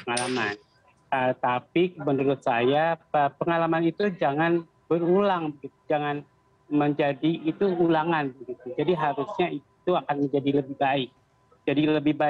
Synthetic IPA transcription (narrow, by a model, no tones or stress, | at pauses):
əŋalaman | ət̪apimənuɾʊt̪̚sajaəpəŋalamanit̪ud͡ʒaŋan | bəɾulaŋbəɡit̪ud͡ʒaŋan | məɲd͡ʒadiːt̪uulaŋanbəɡit̪ud͡ʒadiɦaɾusɲai | t̪uakanməɲd͡ʒadiləbɪhbaɪk̚ | d͡ʒadiləbɪhba